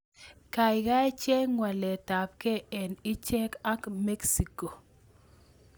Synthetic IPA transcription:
ka˨ɪ˨ɡa˦t͡ʃɛ˦ŋwa˨lɛ˨ta˨p̚kɛ˦ɛ˨nɪ˦t͡ʃɛ˦ka˦kmɛ˦ksi˨ko˨

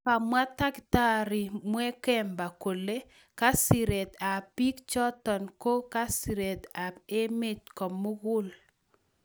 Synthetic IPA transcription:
pa˨mwa˦ta˦kta˦ɾi˨mwɛ˦kɛ˦mba˨ko˨le˦ | ka˦si˨ɾe˨t̪a˨pi˦kt͡ʃɔ˦tɔ˨nko˦ka˦si˨ɾe˨t̪a˨e˦me˦˨t̚kɔ˨mːʊ˦ɡʊ˦l

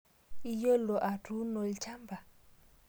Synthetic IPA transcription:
i˦jɔ˦lɔ˨ʔa˨tʰu˦nɔ˨li˨t͡ʃʰa˦mbʱa˨

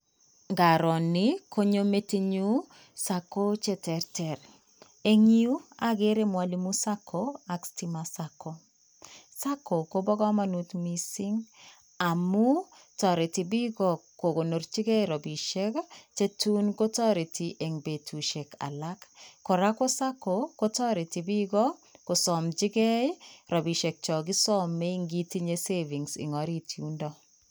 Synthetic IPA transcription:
ŋɡa˨ɾɔ˨ni˦ko˦ɲo˦me˦ti˦ɲu˦ | sa˨ko˦t͡ʃɛ˦tɛ˨ɾtɛ˨ɾ | e˦ŋi˦u˦a˦ɡe˦ɾe˦mwa˨li˦mu˦sa˦kʰoa˨ksti˨ma˨sako˦ | sa˦kʰo˨ko˦bɔ˦ɡɔ˦ma˦nu˨tmi˨si˦ŋ | a˨mu˦ | tɔ˨ɾi˨ti˨bi˦ɡɔ˨ko˨ko˨no˨ɾt͡ʃi˦ɡɛ˦jɾɔ˨bi˨ʃe˦kt͡ʃe˦tu˦nko˦tɔ˦ɾi˨tʰi˨ʔe˨ŋbe˨tʰu˨ʃe˨kʰa̰˨la˦kːo˨ɾa˦ko˦sa˦ko˨ko˦tɔ˦ɾi˨ti˨bi˦ɡɔ˦ko˨sɔ˨mt͡ʃɪ˦ɡɛ˦jɾɔ˨bi˨ʃe˨k̚t͡ʃɔ˨ɡi˦sɔ˦mːe˦i˦ŋɡi˦ti˦ɲe˦se˦vi˨ŋsɪ̰˨ŋɔ˨ɾi˦tʰju˦ndɔ˦

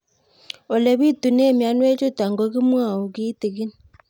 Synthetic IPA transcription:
o˨le˨βi˦tu˨ne˦˨mja˦nwe˦t͡ʃu˦ta˨ŋɡo˨˦ki˦mwa˦˨u˨ki˦ti˨ɣi˦ni

